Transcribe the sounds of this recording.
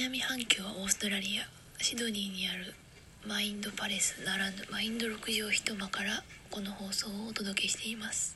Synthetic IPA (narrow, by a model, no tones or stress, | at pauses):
namʲihãŋkʲo̞ːβao̞ːsɨ̥t̪o̞ɾaɾʲia | ɕid̪o̞ɲ̟ʲiːɲ̟iaɾɯ̟ | maĩnd̪o̞paɾesɨ̥naɾand̪omaĩnd̪o̞ɾo̞kɯ̟ʑioːçi̥t̪o̞makaɾako̞no̞ho̞ːso̞ːoːt̪o̞d̪o̞ke̞ɕi̥t̪e̞imasɨ̥